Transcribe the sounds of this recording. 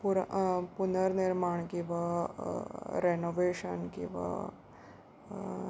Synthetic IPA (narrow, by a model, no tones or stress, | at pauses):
puɾpunəɾniɾmaɳkĩʋa | ɾenoʋeɕənkḭ̃w̃ʋa̰